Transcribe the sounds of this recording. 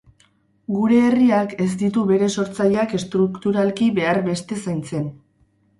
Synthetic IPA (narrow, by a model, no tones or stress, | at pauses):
ɡuɾe̞ːriake̞z̬d̪it̪uβe̞ɾe̞so̞ɾt͡saʎeake̞st̪ɾukt̪uɾalkiβe̞aɾβe̞st̪e̞sajnt͡se̞n